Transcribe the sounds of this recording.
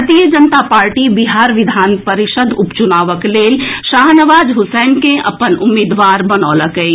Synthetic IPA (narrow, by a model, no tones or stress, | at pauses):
ɾt̪ijəd͡ʒənt̪apaːɾʈibɪɦaːɾʋɪd̪ʱaːnpəɾɪʃəd̪ʱʊpt͡ʃʊnaːʋəkleːlʃaːɦnəʋaːd͡ʒɦʊsɛːnkẽɐ̰pənʊmeːd̪ʋaːɾbənoːləkəi